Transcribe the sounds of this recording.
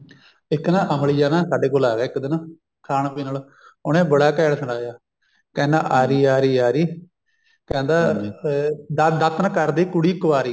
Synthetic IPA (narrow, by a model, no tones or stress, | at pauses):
ɪkːnãːʔəmlid͡ʒaːnãːsaːɖeːkoːlaːɡeːɪkːd̪ɪn | kʰaːɳpiːnəːl | ʊnẽːbəɽaːkɛːɳsʰəɳɽaːjaː | kɛ̃ːnd̪a̰ːʔaːɾiːaːɾiːaːɾiː | kɛ̃ːnd̪aː | d̪d̪ət̪nkəɾd̪iːkʊɽiːkəʋaːɾiː